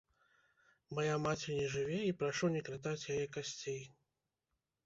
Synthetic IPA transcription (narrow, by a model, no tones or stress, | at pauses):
majamat͡sʲɛnʲɛʐɨvʲɛipɾaʂɔwnʲɛkɾat̪̬at͡sʲjajɛkasʲt͡sʲej